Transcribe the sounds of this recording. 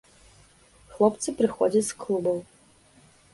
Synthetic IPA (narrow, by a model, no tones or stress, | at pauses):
xlˠɔpt̪sɨpɾɨxɔ̰d͡zʲɐtʲsklˠubɐm